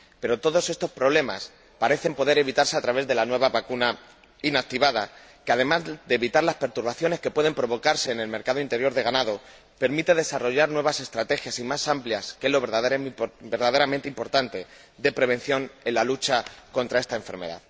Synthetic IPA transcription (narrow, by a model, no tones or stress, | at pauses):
pe̞ɾo̞t̪o̞ðo̞se̞st̪o̞spɾo̞β̞le̞ma̰s | paɾe̞θe̞mpo̞ðe̞ɾe̞βit̪aɾse̞at̪ɾaβe̞zðe̞lanwe̞β̞aβakuna | inak̚t̪iβaða̰ | keað̞e̞mazd̪e̞ːβit̪aɾlaspe̞ɾt̪uɾβaθjo̞ne̞ske̞pwe̞ð̞e̞mpɾo̞βo̞kaɾse̞ːne̞lme̞ɾkaðoint̪e̞ɾjo̞ɾðe̞ɣ̞anaðo̞ | pe̞ɾmit̪e̞ðe̞saro̞ʝaɾnwe̞β̞ase̞st̪ɾat̪e̞xjasimasampljaskelo̞βeɾðabeɾðaðe̞ɾamẽnt̪eimpo̞ɾt̪ant̪e̞ | d̪e̞pɾe̞βe̞nθjo̞ne̞lalut͡ʃako̞nt̪ɾae̞st̪ae̞ɱfeɾme̞̰ða̰ð